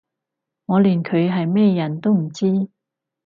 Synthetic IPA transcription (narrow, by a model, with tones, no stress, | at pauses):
ŋɔː˨˧liː˨˩nkʰɵ˨˧ɥɦɐ˨jmɛː˥jɐ˨˩nt̪o˥wm̩˨˩t͡siː˥